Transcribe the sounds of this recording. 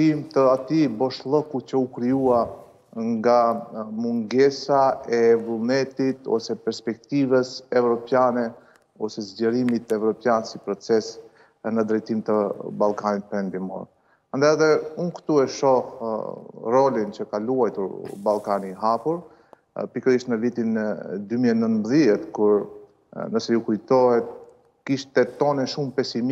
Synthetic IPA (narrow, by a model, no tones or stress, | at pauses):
imt̪əat̪ibɔʃlˠɔkucəukɾijua | ŋɡamuŋɡɛsaɛvulˠnɛt̪it̪ɔ̰sɛpɛɾspɛk̚t̪ivəsɛvɾɔpjanɛ | ɔsɛzɟəɾimit̪ɛvɾɔpjansipɾɔt͡sɛs | nəd̪ɾɛjt̪imt̪əbalˠkanit̪̚pɾɛnd̪imɔ̰ɾ | and̪ajaðɛunkt̪uɛʃɔ | rɔlint͡ɕəkaluajt̪uɾbalˠkaniɦapuɾ | pikəɾiʃt̪nəvit̪ind̪ymiɛnənbəðjɛt̪kuɾ | nəsɛjukujt̪ɔhɛt̪̚ | kiʃt̪ɛt̪ɔnɛʃumpɛsim